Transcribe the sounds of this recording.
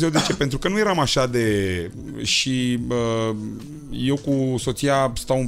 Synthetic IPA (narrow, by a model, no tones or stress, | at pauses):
zewd̪e̞t͡ʃe̞pe̞nt̪ɾukənuje̞ɾamaʃad̪e̞ | ʃiə | je̞wkuso̞t̪sijast̪awɨn